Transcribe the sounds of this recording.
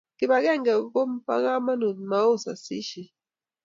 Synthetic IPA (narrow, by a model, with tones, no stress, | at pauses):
ki˨ba˨kɛ˦˨ŋɡɛ˨˦ko˦m̩˦pa̰˦ka˦ma˦nu˨nma˦o˦˨sa̰˨sḭ˦ʃi˨